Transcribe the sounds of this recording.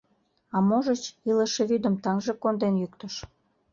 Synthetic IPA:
ɑmoʒət͡ɕiləʃeβyd̪ə̆mt̪ɑŋʒĕkond̪enjykt̪əʃ

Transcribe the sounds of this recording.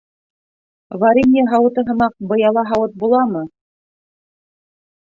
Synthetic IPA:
vaɾʲinʲeɦɑwɤ̆t̪ɤɦɤ̆mɑq̚bɤ̆jɑlˠɑɦɑwɤt̪̚bulˠɑmɤ

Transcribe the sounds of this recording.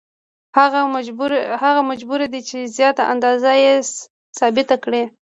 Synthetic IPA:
haɣɾhaɣamad͡ʒbuɾed̪it͡ʃezjɑt̪aʔa̰nd̪ɑzajes | sɑbɪt̪akɽe

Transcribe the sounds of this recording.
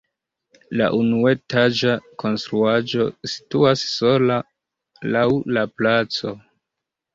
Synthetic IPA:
la̰ʔunue̞tad͡ʒako̞nstɾuad͡ʒo̞si̥tuasːo̞la | lawlaplat͡so̞

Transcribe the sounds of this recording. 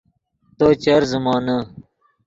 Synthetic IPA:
t̪oːt͡ɕɐɾzumaːnɐ

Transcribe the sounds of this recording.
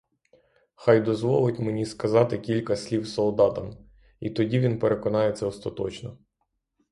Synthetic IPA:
xɑjd̪ɔzʋɔlˠɪtʲmenʲiskɐzɑt̪ɪkʲilʲkɐsʲlʲiwsɔlˠd̪ɑt̪ɐm | it̪ɔdʲiʋʲinpeɾekɔnɑjɛt̪sɛɔst̪ɐt̪ɔ̰t͡ʃnɔ

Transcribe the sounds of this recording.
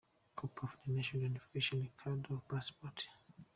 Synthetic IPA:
kʰupʰɔfdɔnaʃɔ̃njunifi̥keʃɔ̃nikʰadɔpaspɔt

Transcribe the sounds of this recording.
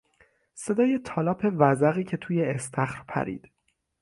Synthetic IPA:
se̞d̪ɒːje̞t̪ʰɒːlɒːpʰe̞væzæɣiːcʰe̞t̪ʰuːjeːst̪ʰæxɾpʰæ̰ɾḭːd̪̥

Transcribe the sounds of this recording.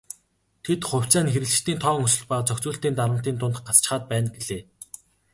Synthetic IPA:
t̪ʰet̪χʊw̥ʲt͡sæːnxeɾɘ̆ɮt͡ɕt̪iːnt̪ʰɔːŋɵsɵ̆ɮpaːt͡sʰɔkʲt͡suːɬt̪iːnt̪aɾə̆m̥t̪iːnt̪ʊnt̪ɢat͡st͡ɕ̆χaːt̪̚pæːnɡeɮeː

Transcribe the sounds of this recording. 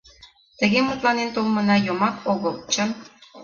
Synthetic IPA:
t̪ə̆ɣemut̪lˠɑnent̪ulˠmɤ̆nɑjomɑkoɣəlˠt͡ɕə̆n

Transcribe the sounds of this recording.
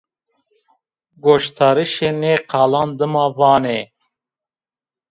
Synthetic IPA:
ɡoʃt̪ʰɑːɾiʃeːneːqʰaːlɑːnd̪ɨmɑːvɑːne

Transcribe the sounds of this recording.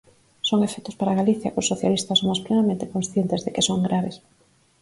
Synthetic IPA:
soŋefɛt̪ʊspaɾaɣaliθjɐkʊsːoθja̰list̪ɐsomʊsplenamẽnt̪ɪkõnsθjent̪ɪzðekɪsoŋɡɾaβes

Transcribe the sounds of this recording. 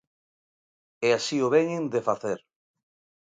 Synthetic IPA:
ɛasioβɛɲeŋd̪efaθeɾ

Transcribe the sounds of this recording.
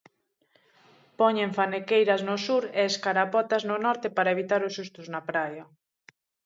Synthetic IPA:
pɔɲeɱfanekejɾɐznosuɾeːskaɾapɔt̪aznʊnɔɾt̪epaɾaeβit̪aɾʊsust̪ʊznapɾajɐ

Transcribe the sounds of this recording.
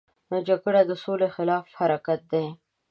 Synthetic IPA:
nod͡ʒaɡəɽad̪əsolexɪlɑfhaɾakat̪̚d̪e

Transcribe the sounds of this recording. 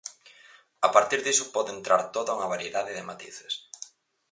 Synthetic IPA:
apaɾt̪iɾðisʊpɔðɪent̪ɾaɾt̪oðauŋɐβaɾijeðaðɪðɪmat̪ḭθɪ̥s

